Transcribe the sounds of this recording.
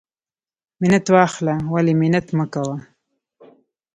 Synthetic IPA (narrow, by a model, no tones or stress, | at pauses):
mɪnat̪wɑxlawalemɪnat̪məkawa